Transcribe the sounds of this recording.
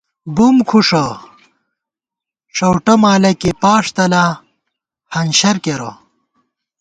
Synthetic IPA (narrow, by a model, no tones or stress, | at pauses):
bumkʰuʂɐ | ʂɐwʈɐmaːlɐkepaːʂt̪ɐla | hɐnɕɐɾkeɾo̰